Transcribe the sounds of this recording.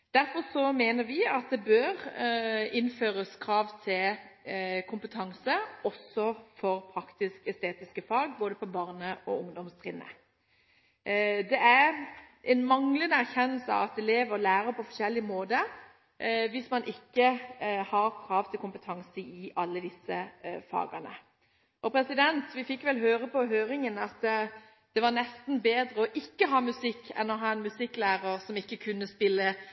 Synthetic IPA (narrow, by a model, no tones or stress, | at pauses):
d̪̥æɾfɔʁsɔmeːnəɾʋɪɑt̪̚d̪ɛbøʁ | ɪnføːʁəskʰɾɑːʋt̪ʰɪl | kʰʊmpət̪ʰɑŋsəɔsɔfɔʁpʰɾɑkt̪ɪskɛst̪eːt̪ɪskəfɑːɡboːd̪əpʰɔbɑʁnəʔɔ̰ʊŋd̪ɔmst̪ʰʁɪnːə̰ | d̪ɛæɾʔɛnmɑŋlənəæʁçɛnːəlsəɑ̰ʋɑt̪̚d̪ɛleːʋəɾɔlæːɾəpʰɔfɔʂɛlːɪmoːd̪ə | ʋɪsmɑnʔɪkːəhɑʁkʰɾɑːʋt̪ʰɪlkʊmpət̪ʰɑŋsəɪʔɑlːəd̪ɪsəfɑ̰ːɡənə̰ | ʔɔpʰɾɛsɪd̪ɛnt̪ʋɪfɪkːʋɛlɦøːɾəpɔɦøːɾɪŋənɑt̪ː | d̪̥ɛʋɑʁnɛst̪nbeːd̪ɾəɔʔɪkːəɦɑːmʉsɪkːɛ̰nɔɦɑːɛnmʉsɪkːlæːʁəʁsɔmɪkːəkʰʉnːəspɪlːə